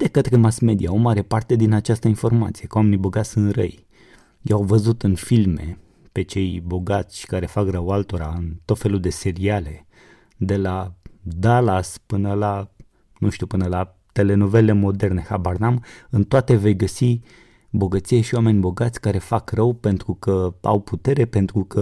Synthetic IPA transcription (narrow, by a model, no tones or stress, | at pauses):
d̪ekət̪ɾemasme̞d̪iaomaɾe̞part̪e̞d̪inat͡ʃast̪əinfo̞rma̰t̪sijekəwame̞nibo̞ɡat̪sʲsɨnrə̰j | jawvəzut̪ɨnfilme̞̰ | pe̞t͡ʃe̞jbo̞ɡat̪sʲʃi̥kaɾe̞fakrəwalt̪o̞ɾaɨnt̪o̞t̪fe̞lud̪e̞se̞ɾiale̞ | d̪e̞lad̪alaspɨnəla | nũnʃt̪ʲiupɨnəla | t̪e̞le̞nove̞le̞mo̞d̪e̞rne̞habarnamɨnt̪oat̪e̞ve̞jɡəsi | bo̞ɡət̪sijeʃiowame̞nʲbo̞ɡat̪sʲkaɾe̞fakrəwpe̞nt̪ɾukəa̰wput̪e̞ɾe̞pe̞nt̪ɾukə